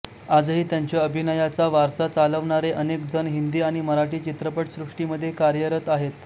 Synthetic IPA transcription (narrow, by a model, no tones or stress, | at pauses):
ad͡zɦiːt̪jaɲt͡ɕjaəbʱinəjat͡saʋaɾsat͡saləʋɳaɾeʔənekd͡zənɦind̪iːaɽ̃iməɾaʈiːt͡ɕit̪ɾəpəʈsɾuʂʈiməd̪ʱːjekaɾjəɾət̪aɦet̪